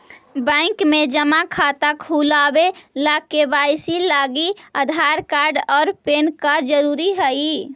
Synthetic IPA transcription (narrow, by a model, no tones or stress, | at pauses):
bə̃ɪkmed͡ʒəmakʰat̪əkɦulabelakːebajsilaɡiəd̪ʱaɾkaɾɖɔːɾpenkəɾd͡ʒəɾuɾiɦəi